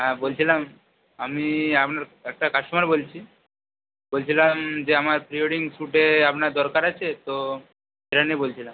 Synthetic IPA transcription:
ɦãbolt͡ɕʰilam | amiapnaɾek̚ʈakaʃumaɾbolt͡ɕʰi | bolt͡ɕʰilamd͡ʑeamaɾpɾioɽiŋɡsuʈeapnaɾd̪ɔɾkaɾat͡ɕʰet̪o | seɾʈanibolt͡ʃʰilam

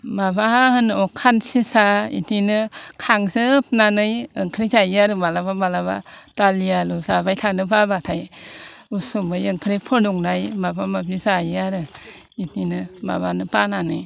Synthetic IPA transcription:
babaahɯnɔkʰansisaḭtinɯkʰaŋsɯp̚nanɯjɯŋkʰɾisaaɾɯbalababalaba̰talialusabajtʰanɯpʰabatʰajusumbɯjɯŋkʰɾipʰɔduŋnajmabamabisajaɾɯ | itinɯba̰banɯpananɯj

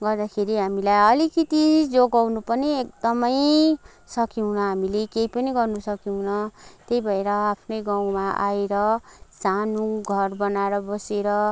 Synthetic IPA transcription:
ɡʌrd̪akʰeɾiɦamilajʌlikit̪id͡zoɡawnupʌniek̚d̪ʌmʌj | sʌkiɦunʌɦamilekejpʌniɡʌrnusʌkiɦunʌt̪ejbʱʌeɾʌapʰnʌjɡaw̃maʔa̰eɾʌsanuɡʱʌrbʌnaɾʌbʌseɾʌ

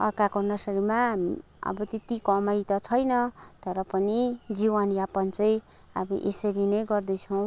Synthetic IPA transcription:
ʌ̰rkakonʌsʌɾimam | ʌ̰bʌt̪et̪ikʌmʌjt̪ʌt͡sʰʌjnʌt̪ʌɾʌpʌnid͡ziwanjapʌnt͡sʌj | ʌbʌʔḛsʌɾinʌjɡʌrd̪ʌjt͡sʰʌw̃

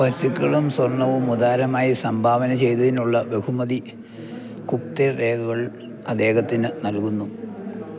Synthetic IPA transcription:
ʋɐsukʲːɐɭumswɐrnɐʋumud̪aːɾɐmaːjisɐmbʱaːʋɐnɐt͡ɕe̞jt̪ɐðinuɭːɐʋe̞humɐði | kup̚t̪ereːkɐɣɐɭ | ɐd̪e̞ːɣɐt̪ːinɨnɐlkunːu

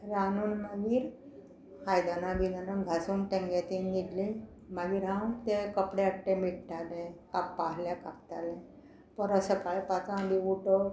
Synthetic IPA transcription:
ɾanuːnmaɡiːɾ | hajd̪anãbid̪anənɡʱasuːnʈẽŋɡet̪inɡid̪lĩ | maɡiːɾɦãmt̪ekəpɽeakʈːemiʈʈalẽkapːaɦljakak̚t̪alẽ | pəɾəsəpajpat͡s̪ãbiuʈə

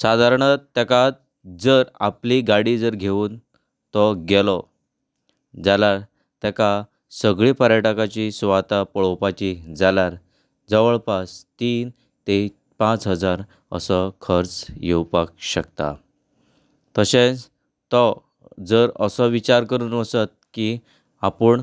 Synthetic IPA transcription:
sad̪ʱaɾɳət̪ːekat̪̚ | d͡zəɾa̰pliɡaɽid͡zəɾɡʱeʋuːn | t̪ɔɡelɔ | d͡zalaɾ | t̪jaka | səɡɭipəɾjəʈakat͡ɕisʋat̪apəɭɔpat͡ɕid͡zalaɾ | d͡zəʋəɭpast̪iːn | t̪e | pãt͡sɦəd͡zaɾ | ə̰səkʰəɾt͡sjewpakɕəkt̪a̰ | t̪əɕẽt͡s | t̪ɔ | d͡zəɾəsɔʋit͡ɕaɾkəɾuːnəsət̪̚ki | apəɳ

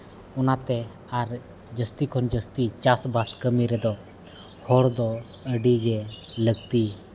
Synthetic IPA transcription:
ɔnat̪ɛ | aɾ | d͡ʒəst̪ikʰɔnd͡ʒəst̪it͡ʃasbaskəmiɾɛd̪ɔ | hɔɽd̪ɔəɖiɡɛləɡ̚t̪i

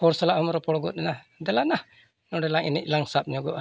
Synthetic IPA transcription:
ɔɾsalaʔhɔmɾɔpɔɽɔɡɔt̪̚ɛna | d̪ɛlana | nɔɖɛlaŋɛnɛc̚laŋsap̚ɲɔɡɔʔa

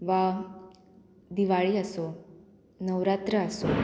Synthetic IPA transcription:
ʋa | d̪iʋaɭiːəso | nəʋɾat̪ɾəːso

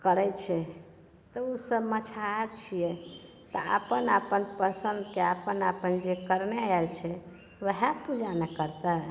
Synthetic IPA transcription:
kəɾɛjt͡ʃʰɛ | t̪ɔusəbmət͡ʃʰat͡ʃʰijɛ | t̪ɔa̰pənapənpəsənd̪keapənapənd͡ʒekəɾneelt͡ʃʰɛ | ʋəɦapud͡ʒanekəɾt̪ə

